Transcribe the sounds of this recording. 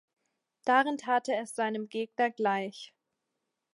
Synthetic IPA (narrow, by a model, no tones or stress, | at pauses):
d̥aːʁɪntʰaːtʰəɛsz̥aɪnəmɡeːɡnɐɡlaɪç